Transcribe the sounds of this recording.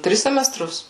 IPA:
ˈtʲrʲɪs sʲɛmʲɛˈstrʊs

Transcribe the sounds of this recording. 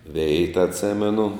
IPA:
ˈʋʲɛɪtɐ ɐtʲˈsʲɪmʲɛnʊ

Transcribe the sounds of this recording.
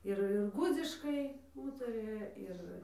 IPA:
ˈɪr ɪr ˈɡʊd͡zʲɪʃkɐɪ ˈuːtɐrʲɪjɛ ˈɪr

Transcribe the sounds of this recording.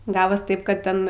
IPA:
ˈɡɑːʋoːs ˈtɐɪp kɐt ˈtʲɛn

